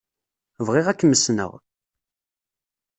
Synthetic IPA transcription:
vʁɪʁækːəməsnə̰ʁ

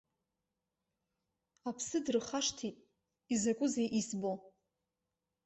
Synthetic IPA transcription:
apʰsɨdrɨχaʂtʰitʼ | izakʷʼʊzejʔisbo

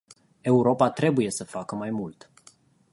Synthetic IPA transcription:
e̞uɾo̞pat̪ɾe̞buje̞səfakəmajmult̪

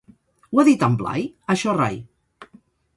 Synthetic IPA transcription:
waðit̪əmbla̰jəʃɔra̰j

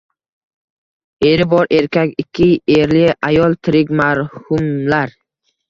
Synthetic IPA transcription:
e̞ɾɪbɒɾʔe̞ɾkʲakʲɪkʲʰːɪeɾlɪajɒlˠt̪ʰɪɾɪkʲmaɾhʊmlaɾ

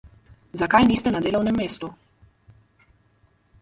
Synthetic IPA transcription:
zakajniːst̪ɛnad̪eːlɔwnɛmːeːst̪u

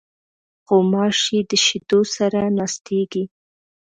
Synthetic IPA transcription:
xomɑʃid̪əʃɪd̪osaɾanɑst̪ʰeɡi

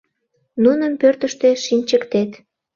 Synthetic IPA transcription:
nunəmpørt̪əʃt̪eʃinʲt͡ɕəkt̪et̪

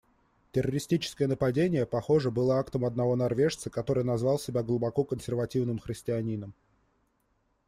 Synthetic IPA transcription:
tʲɪrːəɾʲɪsʲtʲit͡ɕɪ̥skəjənəpɐdʲenʲɪjəpɐxo̞ʐəbɨlˠəakt̪əmɐd̪̚nɐvo̞nɐrvʲe̞ʂt̪səkɐt̪o̞ɾɨjnɐzvɑlˠsʲɪbʲaɡlˠʊbɐkokənsʲɪrvɐtʲivnɨmxɾʲɪsʲtʲɪɐnʲinəm

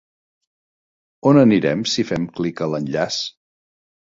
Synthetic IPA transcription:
onəniɾɛmsifɛmklikələnʎas

